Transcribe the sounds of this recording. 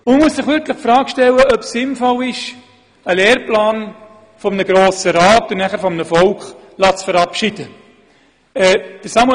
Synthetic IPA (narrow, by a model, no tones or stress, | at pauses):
ʊməmuəsɪχʋʏɾtləχkfrɑːkʃtɛlːəʔœpsɪnfɔwɪʃ | əleːrplɑːn | fɔmnəɡɾoːsəɾɑːtʊnæχəɾfɔmənəfɔlkχ | lɑːtsfəɾɑpʃid̥ə | ɛd̥əɾsɑm